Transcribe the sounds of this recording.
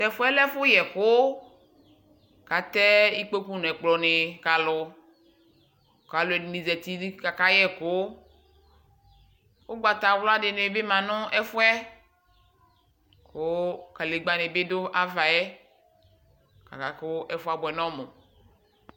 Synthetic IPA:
t̪ɛ˨fʊ˦ɛ˦lɛ˦fʊ˦jɛ˨kʊ˦ | ka˨t̪ɛ˦i˦k͡pe˦ku˦n˨ɛ˨k͡plɔ˨nɪ˨ka˨lʊ˨ | ka˨lʊ˨ɛ˨nĩ˨zɛ˨t̪i˦ka˨ka˦jɛ˦kʊ˦ | wo˦ɡ͡ba˨t̪a˨wlʊ˦a˦dɪ˨nẽ˨˦be˦mã˨nʊ̃˦ɛ˦fʊ˦ɛ˦ | kʊ˨˦ka˨le˨ɡ͡ba˨nɪ̃˨be˦d̪ʊ˦ʔa˦va˨jɛ˦ | ka̰˨ka˨kʊ˦ʔɛ˦fʊ˦a˨bʊ˨ɛ˨nɔ̃˦mʊ̃˨

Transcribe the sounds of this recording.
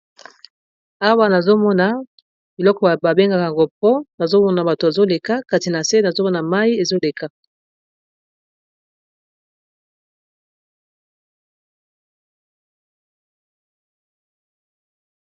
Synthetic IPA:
a˦wa˦na˨zo˦mɔ˦na˨ | bi˨lɔ˦kɔ˨ba˨ba˨be˦ŋɡa˦ka˨a˨ŋɡo˦pɔ˦na˨zo˦mɔ˦na˨ba˨to˨a˨zo˦le˨ka˦ka˨ti˨na˨se˦na˨zo˦mɔ˦na˨ma˦i˦e˨zo˦le˨ka˦

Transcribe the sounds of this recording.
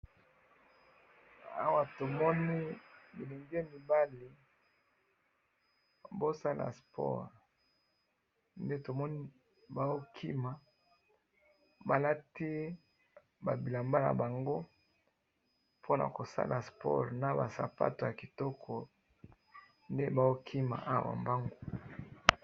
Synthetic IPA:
a̰˦wa˦to˨mɔ˦ni˦mi˨li˨ŋɡi˦e˦mi˨ba˦li˨ | bo˦sa˦la̰˨spʰɔ̰˦ʁ | nde˦to˨mɔ˦ni˦ | ba˦o˦kʰḭ˦ma˨ | ba˨la˦ti˦ | ba˨bi˨la˨mba˦na̰˨ba˨ŋɡo˦ | pʰo˦na̰˨ko˨sa̰˦lʔa˨spɔ̰˦ʁna˨ba˨sa̰˨pa̰˦to˨ja˨ki˨tɔ˦kʰɔ˨ | nde˦ba˦o˦kʰi˦ma̰˨ʔa˦wa̰˨mba˦ŋɡo˦

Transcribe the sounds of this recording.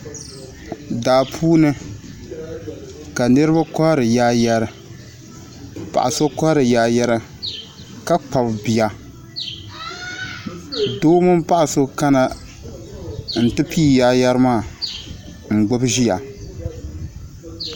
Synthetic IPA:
daː˨pʰuː˦nɨ˦ | ka˨nɨ˦ɾɨ˦ba˦kɔ˦ɾɨ˨jaː˦ja˦ɾɨ˨ | pa̰˨ʔa˨so˦kɔ˦ɾɨ˨jaː˨ja˦ɾa˦ | ka˦k͡pa˨bbi˨ja˨ | doː˦mʊ˦m˦pa˦ʔa˨so˦ka˦na˨ | n̩˨tɨ˦pi˦˨jaː˦ja˦ɾɨ˦maː˦˨ | ŋ͡m̩˨ɡ͡bʊ˦bʒi˦ja̰˨

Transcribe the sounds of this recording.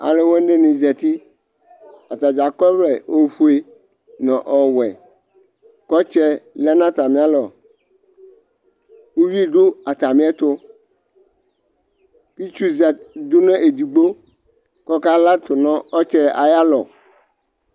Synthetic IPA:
a̰˨le˦wɔ˦n˦ɖe˦nĩ˨zɛ˨t̪i˦ | a˨t̪a˨d͡ʒa˨kɔ˦vlɛ˨o˦fu˦e˦ | nɔ̃˨ʔɔ˨wɛ˨ | kɔ˦t͡ʃɛ˦lɛ˦nã˦t̪a˨mĩ˦a˦lɔ˨ | wu˦wi˦˨ɖo˦a˨t̪a˨mĩ˦ɛ˦t̪ʊ˦ | ki˦t͡ʃu˦zɛ˨d̪ʊ˦nɛ̃˦ʔe˨d̪i˨ɡ͡bo˦ | kɔ˦ka˦la˦t̪ʊ˨nɔ̃˦ɔ˦t͡ʃɛ˦a̰˨ja˦lɔ̰˨

